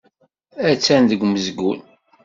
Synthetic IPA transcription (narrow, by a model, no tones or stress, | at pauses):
æt͡sːænðəɡʷməzɡṵn